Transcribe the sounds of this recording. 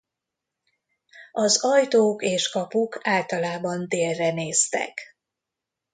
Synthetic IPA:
ɒzɒjt̪oːkeːʃkɒpukʰaːlt̪ɒlaːbɒnd̪eːlːɛneːst̪ɛ̰k

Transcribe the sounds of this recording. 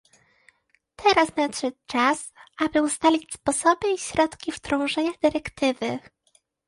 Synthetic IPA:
t̪ʰɛɾasnaʂɘt͡ʂasʔabɘust̪alʲit͡ɕʲspɔsɔbɘiɕɾɔt̪kʲift̪ɾɔ̃w̃ʐɛɲad̪ɘɾɛkt̪ɘvɘ

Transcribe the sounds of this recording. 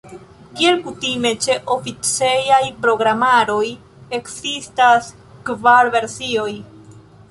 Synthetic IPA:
kie̞lkutime̞t͡ʃe̞ʔo̞fit͡sejajpɾo̞ɡɾamaɾo̞j | e̞ksistas | kvaɾve̞ɾsio̞j

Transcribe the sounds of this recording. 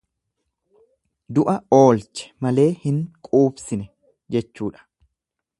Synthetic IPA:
d̪ʊʔɐo̞ːlt͡ʃɛ̥mɐle̞ːhɪŋkʼuːbsɪnɛ | d͡ʒɛt͡ʃːuːᶑɐ̥

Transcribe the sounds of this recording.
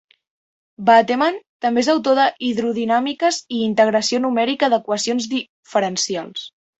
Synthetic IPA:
bat̪emant̪əmbeezawt̪̬oðəʔiðɾuðinamikəziːnt̪əɣ̞ɾəsionumɛɾikəðəkwəsionzði | fəɾənsialˠs

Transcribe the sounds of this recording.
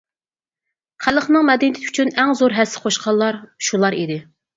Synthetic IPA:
χælˠəχnɨŋmɛd̪ɛnɪt̪ʰyt͡ʃʰynɛŋzoɾɦɛsːɪ̥qʰoʃqʰɑlˠːɑɾʃulˠɑɾid̪ɪ

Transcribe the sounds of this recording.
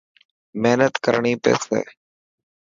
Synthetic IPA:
meːnət̪kəɾɳiːpḛːsḛː

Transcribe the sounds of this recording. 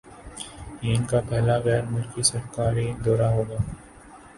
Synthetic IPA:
iːnkapɛɦlaɣɛːɾmʊlkisɐɾkaːɾid̪ɔːɾaɦoːɡaː

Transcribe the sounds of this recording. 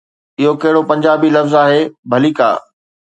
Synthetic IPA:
ɪɦokɐɦɪɽopɐ̃ɲd͡ʑaːbilɐfzaːɦeːbʱɐliːka̰ː

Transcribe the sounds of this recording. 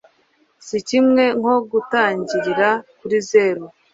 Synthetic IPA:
sicimŋe̞ŋo̞ɡutaːɲɟiɾiɾakuɾize̞ːɾo

